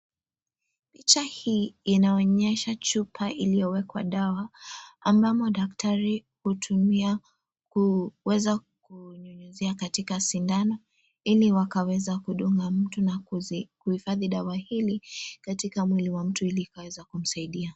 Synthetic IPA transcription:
pit͡ʃahiːnaɔɲɛʃat͡ʃupʰaʔilijɔwɛkwa̰ɗawaːmbamɔɗaktʰaɾi | hutʰumia | kuwɛza | kuɲɔɲuziakatikasindanɔ | iliwakawɛzakuɗuŋɡam̩tunakuhifaðiɗawahilikatikamwiliwam̩tuiliːkawɛzakum̩saiɗia

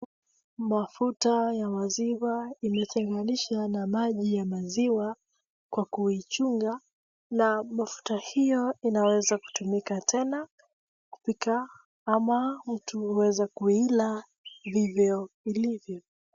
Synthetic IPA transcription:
mafutajamaziwaimɛtʰɛŋɡaniʃanamaʄijamaziwa | kwakuit͡ʃuŋɡa | namafu̥tahijɔinawɛzaku̥tumikatʰɛna | ku̥pika | amam̩tuhuwɛzakuila | vivjɔilivjɔ

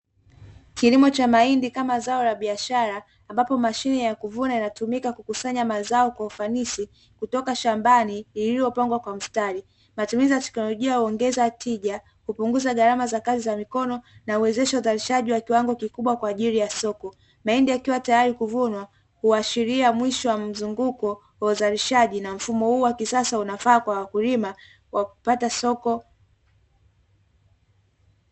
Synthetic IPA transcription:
kilimɔt͡ʃamaindikamazaɔlaɓiaʃaɾaː | mbapɔmaʃinijakuvunainatumikakukusaɲamazaɔkwaufanisi | kutɔkaʃambaniilijɔpaŋɡwakwam̩staɾi | matumizijatɛ̥knɔlɔʄiahuɔŋɡɛzatʰiʄa | kupuŋɡuzaɠaɾamazakazizamikɔnɔnauwɛzɛʃauzaɾiʃaʄiwakiwaŋɡɔkikuɓwakwaːʄiɾijasɔkɔ | maɛndiakiwatajaɾikuvunwa | huaʃiɾiamwiʃɔwam̩zuŋɡukɔ | wauzaɾiʃaʄinam̩fumɔhuːwakisasaunafaːkwawakulima | wʔakupatasɔkɔ

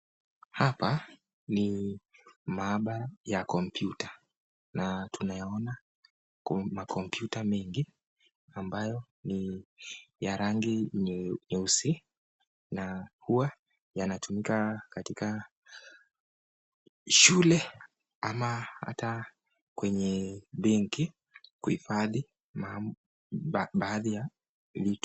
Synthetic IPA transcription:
hapa | ni | maɓajakɔmpjuta | natunajaɔna | makʰɔmpjutamɛŋɡi | ambajɔ | ni | jaɾaŋɡiɲɛusi | nahuwa | janatumikakatika | ʃulɛ | amaha̰ta | kwɛɲɛɓɛŋki | kuhḭfaði | mam | ɓaːðija | vitu̥

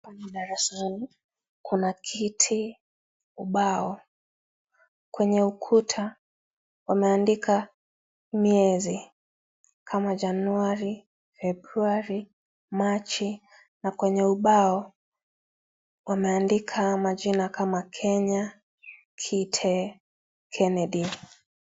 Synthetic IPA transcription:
anaɗaɾɛslanu | kʰunakʰitʰi | uɓaɔ | kwɛɲɛukʰutʰa | wamɛandikʰa | miɛzi | kʰamaʄanuaɾi | fɛbɾuaɾi | mat͡ʃi | nakwɛɲɛuɓaɔ | wamɛandikʰamaʄinakʰamakʰɛɲa | kʰitʰɛ | kʰɛnɛɗi

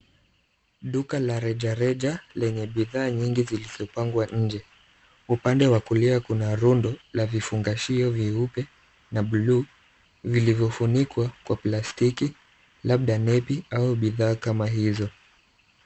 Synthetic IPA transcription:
ɗukalaɾɛʄaɾɛʄalɛɲɛɓiðaːɲiŋɡiziliz̥ɔpaŋɡwaɲ̩d͡ʒɛ | upandɛwakuliakunaɾundɔlavifuŋɡaʃiɔviupɛ | naɓluː | vilivjɔfunikwakwaplastiki | laɓ̚ɗanɛpiauɓiðaːkamaɦizɔ

